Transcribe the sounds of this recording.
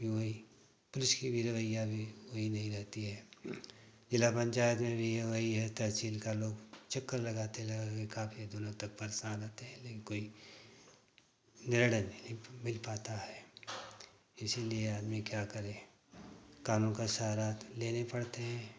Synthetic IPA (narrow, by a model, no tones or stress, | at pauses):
bʱiʋɐɦi | pʊlɪʃkibʱiɾɐʋəjːabʱiʋoɦinɐɦĩɾɛɦt̪iɦɛː | d͡ʒɪlapə̃ɲt͡ʃaːjət̪mẽbʱijʋɐɦiɦɛt̪ɐɦsiːlkaloːɡt͡ʃɐkːəɾlɐɡaːt̪eɛlɐɡakekaːfʰid̪ʊnãt̪ək̚pəɾsaːnɾɛːt̪eɦɛ̃leːkɪnkoːi | nɪɾɽənĩmɪlpaːt̪aɦɛː | ɪsilieaːd̪mikjakəɾẽː | kaːnõkaʃɐɦaːɾaːt̪leːnepɐɽt̪eɦɛ̃ː